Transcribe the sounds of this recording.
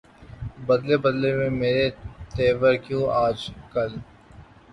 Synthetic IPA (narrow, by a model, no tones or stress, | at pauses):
bɐd̪lebɐd̪lemẽmeːɾet̪eːʋəɾkjũːʔaːd͡ʒkɐl